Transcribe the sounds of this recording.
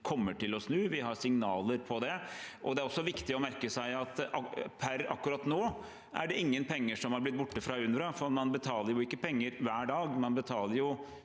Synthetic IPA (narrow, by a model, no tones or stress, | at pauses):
kʰɔmːəʈɪlɔsnʉːʋɪɦɑɾsɪŋnɑːləɾpʰɔd̪ɛʔɔd̪ɛæɾɔsːɔʋɪkt̪ɪɔmæɾkəsæɪɑt̪ɑpʰæɾɑ̰kːʉɾɑt̪ːnoː | ʔæ̰ɖɛɪŋːənpʰɛŋːəʂɔmhɑɾblɪt̪̚bʊʈːəfɾɑːʉnɾɑfɔmɑnbət̪ʰɑːləɾjʊɪkːəpʰɛŋːəɾʋæːɖɑːɡmɑnbət̪ʰɑːləɾjʊ